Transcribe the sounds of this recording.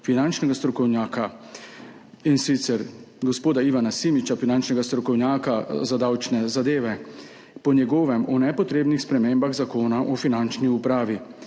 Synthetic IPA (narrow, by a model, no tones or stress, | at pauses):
finant͡ʃnɛɡast̪ɾɔkɔwnjaːka | insit̪sɛɾ | ɡɔspoːd̪aiʋanasimit͡ʃafinant͡ʃnɛɡast̪ɾɔkɔwnjaːkazad̪awt͡ʃnɛzad̪eːʋɛ | pɔnjɛɡɔːʋɛmɔnɛpɔt̪ɾeːbnixspɾɛmeːmbaɣzakoːnaʔɔfinant͡ʃniupɾaːʋi